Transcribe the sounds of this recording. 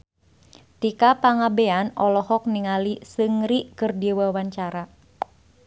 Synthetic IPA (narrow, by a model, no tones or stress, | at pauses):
t̪ikapaŋabeanɔlɔhɔk̚niŋalisɨŋɾiʔkɨrdiwawaɲt͡ʃaɾa